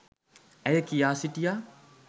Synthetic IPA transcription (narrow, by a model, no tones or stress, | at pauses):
æjəkijaːsiʈija